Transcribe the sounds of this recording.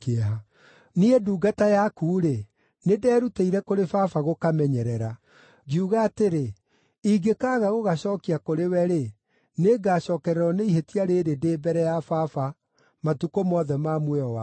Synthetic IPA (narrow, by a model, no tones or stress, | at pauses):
keaɦa | nieduːɡatajakuːɾe | nedɛːɾuteiɾɛkoɾefafaɣokamɛɲɛɾɛɾa | ɡiuɣaːteɾe | iɡekaɣaɣoɣaɕɔːkiakoɾewɛɾe | neɡaːɕɔːkɛɾɛɾɔneiɦetiaɾeːɾedeːbɛɾɛjafafa | matukomɔðɛmamwɛɔwa